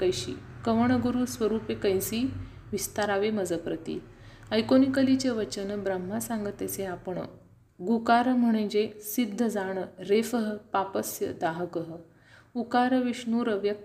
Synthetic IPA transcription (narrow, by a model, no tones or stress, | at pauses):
kəjɕḭːkəʋəɳ̃əɡuɾusʋəɾuːpekəjsiː | ʋist̪aɾaʋeməd͡zəpɾət̪ḭ | əjkonikəlit͡ɕeʋət͡ɕənbɾəm̤ːasãŋɡət̪ːet͡seapəɳ | ɡukaɾəm̤əɽ̃ə̃d͡ʑesid̪ʱːəd͡zaɳ̃əɾefəɦəpapəsjə̰d̪aɦəkəɦə | ukaɾəʋiʂɳuːɾəʋjək̚